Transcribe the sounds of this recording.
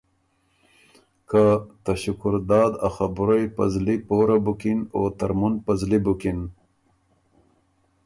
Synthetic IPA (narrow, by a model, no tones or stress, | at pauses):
kat̪aɕukʊɾd̪ɑːd̪axɐbɾojpɐzlipoːɾabukinot̪ɐɾmunpɐzlibukin